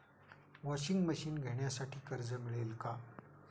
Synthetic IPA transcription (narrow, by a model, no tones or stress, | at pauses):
ʋɔɕiŋɡməɕiːnɡʱeɳjasaʈʰiːkəɾd͡zəmiɭelka